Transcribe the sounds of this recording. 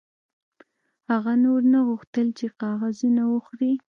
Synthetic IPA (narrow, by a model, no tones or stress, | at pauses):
haɣanoɾnaɣuxt̪əlt͡ʃeqɑɣazinawəxɾi